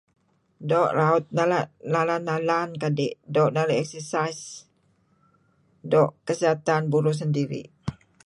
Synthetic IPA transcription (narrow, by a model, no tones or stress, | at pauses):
dɔʔlaut̪̚naalalanːalankadeʔdɔʔnaliɛksəsajs | dɔʔkəsiɦat̪anbuɾus̬əndiɾḭ